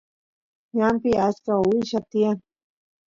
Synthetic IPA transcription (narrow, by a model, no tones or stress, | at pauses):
ɲampɪat͡ʃkaɪʃat̪ɪjaŋ